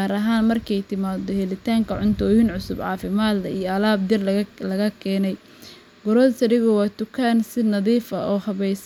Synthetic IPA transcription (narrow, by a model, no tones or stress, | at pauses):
aɾɐɦaːnmɐrkʰɛjt̪ʰɪmaːd̪ɔhɛlɪt̪ʰaːŋkʰɐʕʊnt̪ʰɔːjɪnʕʊsʊbʕɑ̰ːfɪmaːd̪lɐijɔɐlaːb̚d̪ɪrlɐɣɐkʰɛːnɛj | ɡʊɾɔːlsɐɽɪɣʊwɑːt̪ʊkʰaːnsɪnɐðiːfɐʔɔːhɐβɛjs